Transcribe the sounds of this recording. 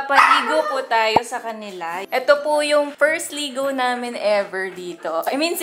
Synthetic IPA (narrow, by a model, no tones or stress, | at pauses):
pɐt̪iːɡopʊt̪aːjo̞sɐkɐnɪlaʔɛt̪opʊjʊŋfɛɹst̪liːɡownaːmɪnʔɛvɛɹd̪iːt̪oʔajmins